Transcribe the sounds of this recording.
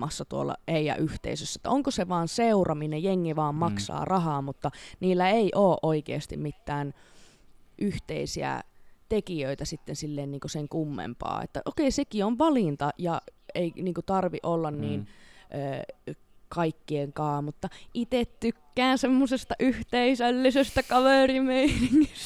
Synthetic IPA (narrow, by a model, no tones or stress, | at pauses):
ɑsːɑt̪uo̰lːɑ̰eijæ̰ʔyht̪ḛisøsːæet̪ːæ̰oŋkoseʋɑːnseurɑminejjeŋːiʋɑːmmɑksɑ̰ːrɑhɑːmut̪ːɑniːlːæeiʔoːʔoikḛːst̪ḭmmit̪ːæːn | ʔyht̪ḛisiæ̰t̪ekiøit̪æsit̪ːensilːeːnniːŋkoseŋkumːḛmpɑ̰ːḛt̪ːæ̰ʔokeisekioʋʋɑlint̪ɑjɑeiniːŋkut̪ɑrʋiʔolːɑnniːnʔøː | kɑikːieŋkɑːmut̪ːɑʔit̪et̪t̪ykːæːnsemːosest̪ɑʔyht̪eisælːisest̪ækɑʋerimeiniŋːis